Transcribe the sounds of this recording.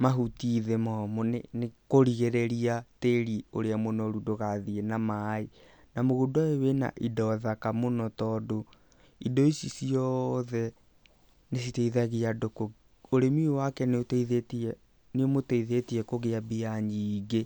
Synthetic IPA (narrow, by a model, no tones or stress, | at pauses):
maɦutiðemɔmonenekoɾiɣeɾɛɾiateɾioɾeamonɔɾudoɣaðienamai | namoɣudoaewena̰ʔidɔðakamonɔtɔːdo | idɔisisiɔðɛ | nes̬itɛiðaɣeadoko | oɾemiewakɛneoteiðetɛ | neomotɛiðetiɛkoɣeabiaɲiːɡe